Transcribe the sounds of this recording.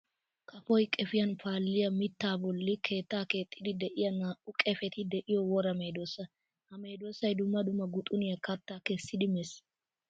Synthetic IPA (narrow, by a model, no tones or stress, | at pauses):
kʰɐfɔjkʼɛfɪjɐnfaːlːɪjɐmɪt̪ːaːbɔlːɪkʰe̞ːt̪ːaːke̞ːt̪ʼːɪd̪ɪd̪ɛʔɪjɐnaːʔʊkʼɛfɛt̪ɪd̪ɛʔɪjɔwɔɾɐmeːd̪oːsɐ | hɐme̞ːd̪oːsɐjd̪ʊmːɐd̪ʊmːɐɡʊt̪ʼʊnɪjɐkɐt̪ːaːkɛsːɪd̪ɪmɛs